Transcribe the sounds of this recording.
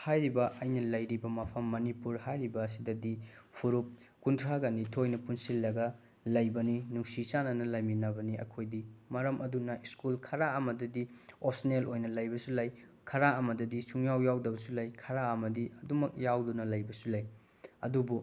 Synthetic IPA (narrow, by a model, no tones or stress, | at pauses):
hajɾibɐʔɐjnɐlɐjɾibɐmɐpʰɐmːɐnipuɾhajɾibɐːs̬idɐdipʰuɾup̚ | kuntʰɾaɡɐnitʰojnɐpunsilːɐɡɐ | lɐjbɐninuŋsisanɐnɐlɐjminɐbɐniɐ̰kʰojdimɐɾɐmʔɐdunɐiskulkʰɐɾaɐmɐdɐdiop̚ʰsinelojnɐlɐjbɐsulɐj | kʰɐɾaɐmɐdɐdisuŋjawjawdɐbɐsulɐjkʰɐɾaɐmɐdiɐdumɐk̚jawdunɐlɐjbɐsulɐj | ɐ̰dubu